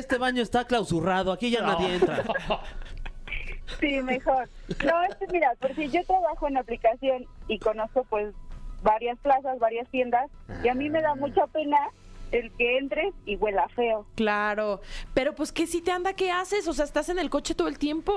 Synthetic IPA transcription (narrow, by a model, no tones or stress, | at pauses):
est̪e̞βaɲo̞est̪aklawsuraðoakiʝanaðjeent̪ɾa | simexo̞ɾnoeskemiɾapeɾsiʝo̞t̪ɾaβaxo̞enaplikasjo̞niko̞no̞sko̞pwe̞sβaɾjasplas̬asβaɾjast̪je̞nd̪asiamĩme̞ðamut͡ʃape̞na | elke̞ent̪ɾesiɣwe̞lafe̞oklaɾo̞pe̞ɾopweske̞sit̪e̞and̪ake̞ase̞sos̬eaest̪ase̞ne̞lko̞t͡ʃe̞t̪o̞ð̞lt̪je̞mpo̞